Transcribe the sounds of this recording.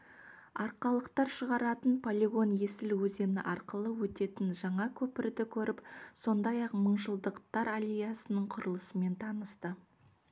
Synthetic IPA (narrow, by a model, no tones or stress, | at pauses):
ɑɾqɑlˠəqt̪ɑɾʃəʁɑɾɑt̪ənpʰolʲeɡo̞nje̞sɪlwɵze̞nɪ̰ʔɑɾqəlˠəwɵt̪e̞t̪ɪnʒɑɴɑkʲʰɵpɪɾd̪ɪkʲʰɵɾɪpso̞nd̪ɑjɑqməɴʒəlˠd̪əqt̪ɑɾalʲejasənəɴqʰʊɾəlˠəsəme̞nt̪ʰɑnəst̪ə